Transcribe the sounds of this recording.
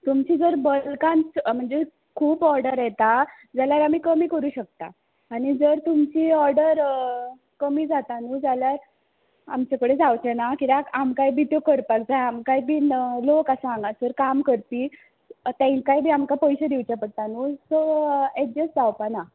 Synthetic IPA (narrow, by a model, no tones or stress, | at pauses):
t̪umt͡ɕiːd͡zəɾbəlkãnt͡sm̤əɳd͡ze | kʰuːpɔɾɖəɾjɛt̪a | d͡zaljaɾam̤iːkəmiːkəɾuːɕək̚t̪a̰ː | ɽ̃id͡zəɾt̪umt͡ɕiːɔɾɖəɾ | kəmiːd͡zat̪anud͡zaljaɾ | amt͡ɕakəɽed͡zawt͡ɕenakit̪akamkajbʱit̪jokəɾpak̚d͡zaamkajbʱiːlokasãŋɡasəɾkamkəɾt̪iː | t̪ãkajbʱiːamkapɔjɕəd̪iwt͡ɕapəɽt̪anusoed͡ʑəsd͡zawpana